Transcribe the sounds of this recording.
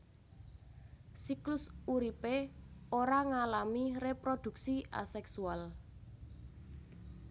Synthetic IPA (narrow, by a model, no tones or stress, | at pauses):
siklʊsuɾipeoɾaŋalamirepɾod̪̥ṳk̚siʔa̰sɛksual